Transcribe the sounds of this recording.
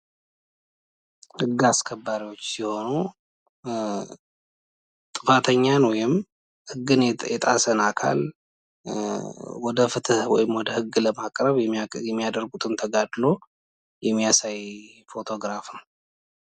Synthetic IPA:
hɨɡːaskʰəbːaɾiwo̞t͡ʃːsiho̞nu | t̪ʼɨfat̪ʰəɲːanwɔjɪm | hɨɡːɨnjɛt̪ʼasənakʰa̰l | wɔd̪əfɨt̪ʰɨhwɔ̰jɪmwɔd̪əhɨɡːləmakʼɾəβjɛmːijad̪əɾɡut̪ʼɨnt̪ʰəɡad̪lo̞ | jɛmːijasaj | fo̞t̪ʰo̞ɡɾafɨm

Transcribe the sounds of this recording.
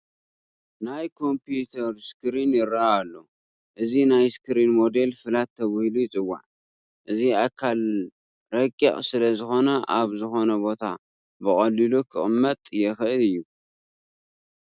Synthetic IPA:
najkʰo̞mpjut̪ʰɐɾskɨɾinjɪɾaːlːo | ʔɨzinajskɨɾinmo̞d̪e̞lfɨlat̪ʰːɐβɨhlujt͡sʼɨwːa̰ʕ | ʔɨziakʰːal | ɾɐkʼːɐ̰χʼsɨlɐzɨxo̞nɐʔaβzɨxo̞nɐbo̞t̪ʰa̰ | bɨχʼɐlilukʰɨχʼɨmːɐt̪ʼjɛxɨʔɨlɨjːu

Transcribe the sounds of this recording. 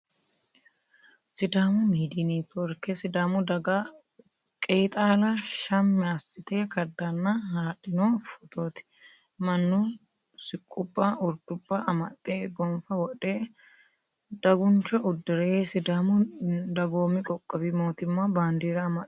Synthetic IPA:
sɪd̪aːmʊmiːd̪iniːt̪ɔɾkɛsɪd̪aːmʊd̪ɐɡa | kʼejt̪ʼaːlɐʃɐmːɛɐsːɪt̪eːkɐd̪ːɐnːɐhaːᶑɪnoːfɔt̪oːt̪ɪ̥ | mɐnːʊ | sɪkʼːʊbːaʊɾd̪ʊbːaɐmɐt̪ʼːeːɡɔɱfɐwɔᶑeː | d̪ɐɡʊnt͡ʃːɔʔʊd̪ːɪɾɛsɪd̪aːmʊd̪ɐɡoːmɪkʼɔkʼːɐbɪmo̞ːt̪ɪmːɐbaːnd̪iːɾɐːmɐt

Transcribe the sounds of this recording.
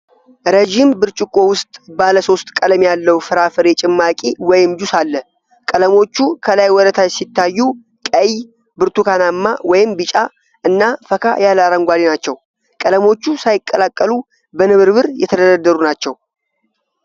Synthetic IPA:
ɾed͡ʒimbɨɾt͡ʃʼɪkʼo̞wʊst̪ʼbaləso̞st̪ʼkʼələmjalːəwfɨɾafɨɾet͡ʃʼɪmːakʼiwɔjɪmd͡ʒusalːə | kʼələmo̞t͡ʃːukʰəlajwɔɾət̪ʰajsit̪ːajːu | kʼəj | bɨɾt̪ukanamːawɔjɪmbɨt͡ʃʼa | ʔɨnːafəkʰa̰jalaɾəŋɡʷalinat͡ʃːɛw | kʼələmo̞t͡ʃːusajɪkʼːəlakʼːəlu | bənɨβɨɾβɨɾjɛ̰t̪ʰəd̪əd̪əd̪ːəɾunat͡ʃːɛw

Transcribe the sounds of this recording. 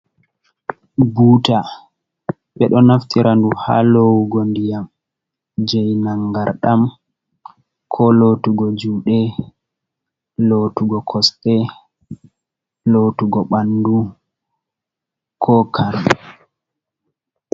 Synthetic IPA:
buta | ɓɛɗɔnaftiɾʔanduha̰lowuɡondijam | d͡ʒɛjnaŋɡaɾɗam | kʰɔlotuɡɔd͡ʒuːɗɛ | lotuɡɔkʰɔstɛ | lotuɡɔɓandu | kʰɔkaɾma

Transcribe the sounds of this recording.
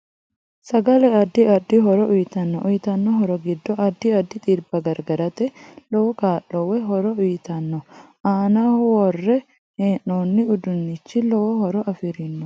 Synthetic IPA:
sɐɡɐlɛɐd̪ːɪɐd̪ːɪɦɔɾɔʔʊjɪt̪ɐnːɔʔʊjɪt̪ɐnːɔɦɔɾɔɡɪd̪ːɔʔɐd̪ːɪɐd̪ːɪt̪ʼiɾbɐɡɐɾɡɐɾɐt̪ɛlɔwɔkaːʔːɔwːɛɦɔɾɔʊjɪt̪ɐnːɔ | aːnaːhʊwɔrːɛ | heːnːoːnːɪʊd̪ʊnːɪt͡ʃːɪlɔwɔhɔɾɔʔɐfɪɾɪnːɔ

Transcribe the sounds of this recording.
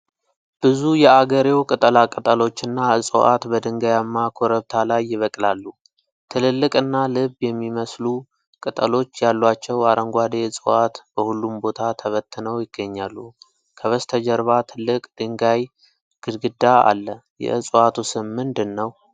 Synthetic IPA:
b̥ɨzujɛaɡəɾewkʼɨt̪ʼəlakʼɨt̪ʼəlo̞t͡ʃːɨnːaɨsʼo̰ʔa̰t̪bəd̪ɨŋɡajamːakʰoɾəβt̪ʰalajːɪβəkʼlalːu | t̪ʰɨlɨlːɨkʼɨnːalɨβjɛmːiməslu | kʼɨt̪ʼə̰lo̞t͡ʃːjalːwat͡ʃːɛwaɾəŋɡʷad̪eɨsʼɨat̪b̥əhulːumbo̞t̪ʰat̪ʰəβət̪ːɨnəwjɪɡ̥ːəɲːalːu | kʰəβəst̪ʰəd͡ʒəɾβat̪ʰɨlːɨkʼd̪̥ɨŋɡaj | ɡ̥ɨd̪ɡɨd̪aa̰lːəjɛ̰ɨsʼat̪ʰusɨmmɨnd̪ɨnːəw

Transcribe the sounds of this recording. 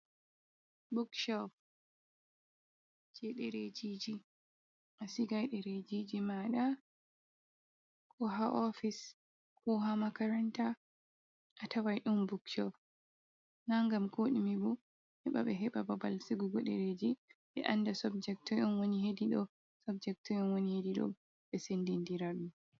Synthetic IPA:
bukʃɔp | d͡ʒɛɗɛɾed͡ʒid͡ʒi | ʔasiɡajɗɛɾed͡ʒid͡ʒimaɗa | kʰɔɦaʔɔfis | kʰɔɦamakaɾanta | ʔatʰawajɗumbukt͡ʃɔf | naŋɡamkʰoɗimibu | hɛɓa̰ɓɛɦɛɓababalsiɡuɡɔɗɛɾed͡ʒiɓɛ̰ʔandasɔbd͡ʒɛk̚tɔʔɔnwoniɦediɗɔ | sɔbd͡ʒɛk̚tɔjɔnwonihediɗɔ̰ | ɓɛsendindiɾaɗum

